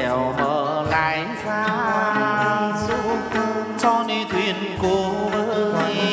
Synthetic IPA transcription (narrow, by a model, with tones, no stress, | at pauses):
ɛ˨˩wməː˧˨˩laː˧˦˨j | saː˧˦˧ | sɔ˧ni˧t̪ʰwi˧˩ənko˧˩və˧˦˧ɔ˨˦˧